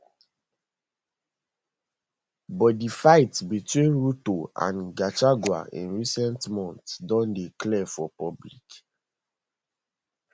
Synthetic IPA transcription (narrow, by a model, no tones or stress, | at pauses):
bɔdifaɪtbitwĩnɹutoã̰nɡat͡ʃaɡwa̰ḭ̃nɹisɛ̃ntmɔ̃ntsdɔ̃ndeklɛfɔpɔblik